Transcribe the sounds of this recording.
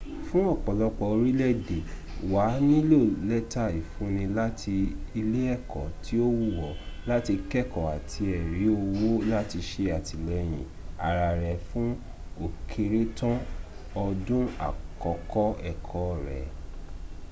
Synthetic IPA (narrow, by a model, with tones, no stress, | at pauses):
fũ˦ɔ˦˨k͡pɔ˨lɔ˧k͡pɔ˧o˧ɾi˦lɛ˦˨de˨ | wa˨˦nĩ˦lo˦˨lɛ˦ta˦˨i˨fũ˨˦nĩ˧la˦tʰi˧i˧le˦ɛ˦˨kɔ˨tʰi˦o˦wu˦˨wɔ˨la˦ti˧kɛ˦˨kɔ˨a˨tʰi˧ɛ˨ɾi˨˦o˧wo˦la˦ti˧ʃe˧a˨tʰi˨lɛ˨˦j̃ĩ˨a̰˨ɾa˨ɾɛ˨fũ˦ | o˦˨kʰe˧ɾe˦tɔ̃˦ | ɔ˧dũ˦a̰˨kɔ˨kɔ˦ɛ˦˨kʰɔ˨˦˨ɾɛ̰˨